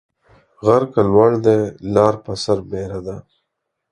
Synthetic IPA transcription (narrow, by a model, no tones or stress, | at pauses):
ɣaɾkalwaɽd̪elɑːɾpasaɾbeːɾad̪a